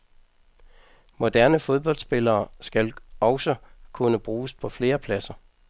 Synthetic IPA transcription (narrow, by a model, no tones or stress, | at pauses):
mo̝d̥æɐ̰nəfo̝ð̞ˠb̥ɒ̽l̰d̥sb̥e̝lɐːsɡ̥ælɒʊsɒkʰunəb̥ʁuːspʰɒ̽fle̝ːɐpʰlæsɐ